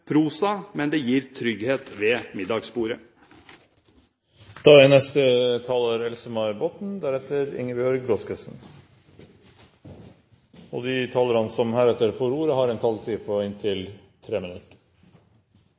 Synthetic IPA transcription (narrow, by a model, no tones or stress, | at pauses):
pʰɾuːsɑmɛnd̪ɛjiːɾt̪ʰɾʏɡheːt̪ʋeːmɪd̪ɑɡspuːɾə | d̪̥ɑːɛnɛst̪ət̪ʰɑːləɾɛlsəmɑʏbot̪n̩d̪æɾɛt̪əɾɪ̰ŋəbjœɾɡɾɔskəsn̩ | o̰ːd̪ɪt̪ʰɑːləɾɑnsɔmhæːɾɛt̪əɾfɔɾuːɾəhɑːɾɛnt̪ʰɑlt̪ʰiːpʰoɪnt̪ʰɪl | t̪ʰɾeːmɪnʉt̪